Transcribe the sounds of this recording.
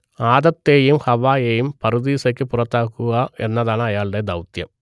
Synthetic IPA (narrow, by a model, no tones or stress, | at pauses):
aːd̪ɐt̪ːeːjimhɐʋaːjeːjumpɐɾud̪iːsɐjkːɯpʊɾɐt̪ːaːkuaːɛnːɐðaːnaːjaːɭɖɐːd̪ɐwt̪jɐm